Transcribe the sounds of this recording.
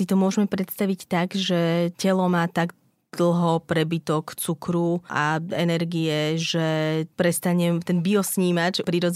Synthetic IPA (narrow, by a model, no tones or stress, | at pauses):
it̪ɔmʊɔʒmɛpɾɛt̪st̪aʋict̪aɡʒɛcɛlɔmaːt̪aɡ | d̪̥l̩ˠɦɔpɾɛbit̪ɔkt͡sukɾuʔaɛnɛɾɡiɛʒɛpɾɛst̪aɲɛmt̪ɛnbiɔsɲiːmacpɾiɾɔd͡z